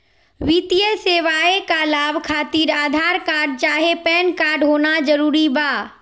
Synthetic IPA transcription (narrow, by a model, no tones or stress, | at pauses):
ʋit̪ijəseːʋaːekalaːbʱkʰaːt̪iːɾaːd̪ʱaːɾkaːɾɖ̚t͡ʃaːɦepɛːnkaːɾɖɦoːnad͡ʒəɾuːɾibaː